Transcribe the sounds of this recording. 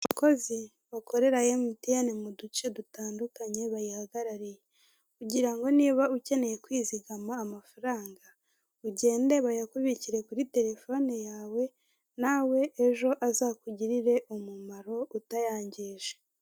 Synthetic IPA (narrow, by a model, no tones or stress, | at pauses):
uko̞zi | βakʰo̞ɾe̞ɾajemutianemudut͡ʃe̞dutaːndukaɲe̞βajihaɡaɾaɾije̞ | kuɟiɾaŋɡo̞niːβauce̞ne̞je̞kwiːziɡamaːmafaɾaːŋɡa | uɟe̞ːnde̞βajakuβiciɾe̞kuɾite̞ɾe̞fo̞nijaːwe̞ | naːwe̞ʔːʒo̞ʔazaːkuɟiɾiɾe̞ʔomumaɾo̞utajaːɲɟiːʒe̥